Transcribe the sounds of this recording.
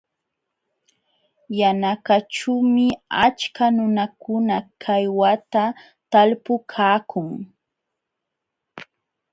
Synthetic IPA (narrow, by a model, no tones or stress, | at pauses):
janakaʈ͡ʂumɪat͡ʃkanʊnakʊnakʰajwat̪a | t̪alpʊkʰaːkʰʊŋ